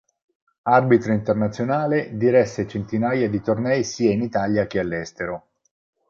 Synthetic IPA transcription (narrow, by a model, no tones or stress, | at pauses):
arbit̪ɾoint̪ernat̪sjonaːled̪iɾɛsːet͡ʃent̪inaːjad̪it̪ornɛjsiːainit̪aːljak̟ealːɛst̪eɾo